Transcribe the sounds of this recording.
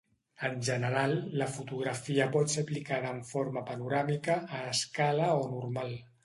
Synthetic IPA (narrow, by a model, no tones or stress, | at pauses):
ənʲʒənəɾalˠːəfut̪uɣɾəfiəpɔt̪seplikaðəːɱfoɾməpənuɾamikəːskaləonurmalˠ